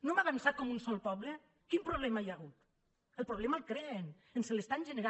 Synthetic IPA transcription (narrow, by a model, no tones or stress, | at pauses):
nomaβensat̪̚kɔmunsɔlˠpɔβle | kimpɾoβ̞lɛmaajaɣ̞ut̪ | əlˠpɾoβlɛmalkɾeen | enselest̪anʒeneɾa